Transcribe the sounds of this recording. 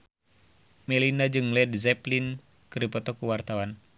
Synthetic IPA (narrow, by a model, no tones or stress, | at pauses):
mɛlinad͡ʒɨŋlɛdzɛplin | kɨripɔt̪ɔkuwart̪awan